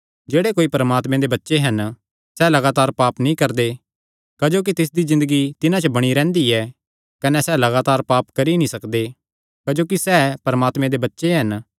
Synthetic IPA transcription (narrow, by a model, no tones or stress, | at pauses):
d͡ʒeːɽekoːipɐɾəmaːt̪mẽd̪ebɐtːʃeɦɐn | sɛːlɐɡaːt̪aːɾpaːpnĩkɐɾd̪e | kɐd͡ʒoːk̬it̪ɪs̬d̪izɪ̃nd̪əɡit̪ɪnãt͡ʃəbɐɽ̃iɾɛ̃ːnd̪iɛ | kɐnɛsɛlɐɡaːt̪aːɾpaːpkɐɾinĩsɐkd̪e | kɐd͡ʒoːk̬isɛːpɐɾəmaːt̪mẽd̪ebɐtːʃeɦɐn